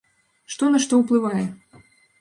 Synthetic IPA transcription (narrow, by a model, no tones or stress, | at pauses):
ʂt̪ɔnɐʂt̪ɔwplˠɨvajɛ